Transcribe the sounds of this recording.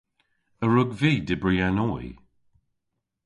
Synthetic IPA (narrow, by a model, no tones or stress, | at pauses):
əɹʊɡviːdɪbɹianɔj